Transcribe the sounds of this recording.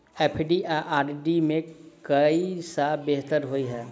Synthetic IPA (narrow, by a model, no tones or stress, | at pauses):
eːpʰɖiʔaʔaːɖɖimẽkəisabeɦt̪əɾɦoiɦɛː